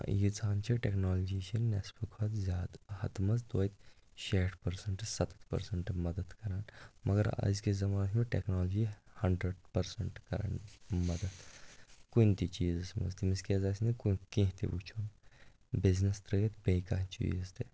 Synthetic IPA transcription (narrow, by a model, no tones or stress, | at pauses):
jit͡saːnt͡ʃʰiʈeknaːld͡ʒit͡ʃʰinespukʰot̪zʲaːd̪hɐt̪mɐzt̪wɐːjt̪ | ʃeːʈpɐɾsɐɳʈɨsɐt̪t̪pɐ̰ɾsɐɳʈmɐd̪əd̪kɐɾaːnmɐɡɐɾɐ̰zkezɐmaːnsʰmeʈeknaːld͡ʒihɐɳɖɾəɖpɐɾsɐɳʈkɐɾa̰ːnmɐd̪əd̪kunʲt̪it͡ʃiːzɐsmɐ̰zt̪imiskʲezasnikunkẽːɦt̪ḭʋut͡ʃʰun | biznest̪ɾɐɡet̪bejkaːt͡ʃḭːzt̪e